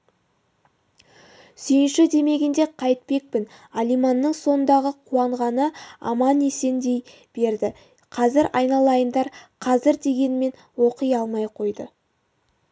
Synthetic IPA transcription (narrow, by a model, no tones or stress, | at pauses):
sʏjɪnʃɪd̪e̞me̞ɡʲɪnd̪e̞qʰɑjt̪̚pe̞k̚pɪn | alijmɑnːəɴso̞nənd̪ɑʁəqʰuɑɴʁɑnəɑ̰mɑne̞se̞nd̪e̞j | b̥e̞ɾd̪ɪ | qʰɑzɪɾɑjnɑlˠɑjənd̪ɑɾqʰɑzɪɾd̪e̞ɡʲe̞nɪme̞n | wo̞qəjɑlˠmɑjqʰo̞jd̪ə